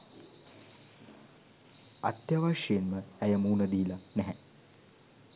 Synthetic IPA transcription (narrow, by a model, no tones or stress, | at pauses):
a̰t̪jaːʋaʂejenməæjəmuːnɐd̪iːlanɛɦɛ